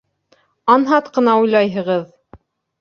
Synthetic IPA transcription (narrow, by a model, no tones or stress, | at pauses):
ɑnɦɑt̪qɤ̆nɑujlˠɑjɦɤ̆ʁɤð